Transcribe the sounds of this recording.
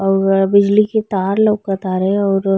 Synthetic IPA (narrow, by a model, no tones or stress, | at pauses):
ɔːɾbɪd͡ʒliket̪aːɾlɐkɐt̪aːɾeɔːɾ